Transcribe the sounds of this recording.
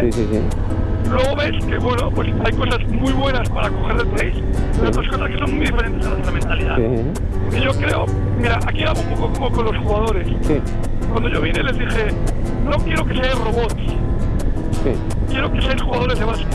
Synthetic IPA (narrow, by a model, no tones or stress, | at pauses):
isisi | lwe̞ɣo̞βe̞ske̞βwe̞nopwe̞sajko̞sazmujβwe̞naspaɾako̞xe̞ɾðet̪ɾejs | ot̪ɾosko̞saske̞so̞nmujðife̞ɾe̞nt̪eðelawent̪ɾamẽ̞nt̪aliða̰ð | pokeʝo̞kɾe̞o̞̰ | miɾaʔakiaβoumpo̞kokomoko̞nlo̞sxuɣað̞o̞ɾe̞ssi | kwand̪o̞ʝo̞βine̞le̞zðixe̞no̞kje̞ɾo̞ke̞se̞ero̞βo̞t̪ | sḭ | kje̞ɾo̞ke̞seesxuɣaðo̞ɾe̞seβas